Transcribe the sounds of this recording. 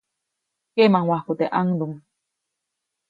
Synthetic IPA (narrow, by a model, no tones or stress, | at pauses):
kemaŋwahkut̪eʔaŋd̪uŋ